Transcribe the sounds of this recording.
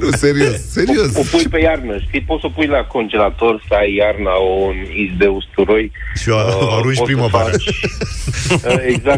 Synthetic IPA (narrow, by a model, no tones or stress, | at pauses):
useɾiosseɾiosopujpejarnəʃt̪ipot̪sopujlako̞nd͡ʒe̞lat̪o̞rsəajːarnaunizb̪eust̪uɾojʃiaaɾunʒpɾiməva | eɡzak